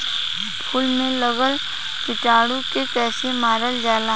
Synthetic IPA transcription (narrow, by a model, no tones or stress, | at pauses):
pʰʊlmẽləɡəl | kɪʈaːɽũkepɛːsemaːɾəld͡ʒaːla